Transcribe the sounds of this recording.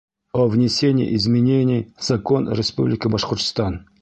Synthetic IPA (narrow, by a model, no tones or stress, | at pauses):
ovnʲɪsʲenʲɪ̰j̰ʔɪzmʲɪnʲenʲijz̥ɐko̞nɾʲɪspublʲɪkəbɐʂqʊrt̪st̪ɑn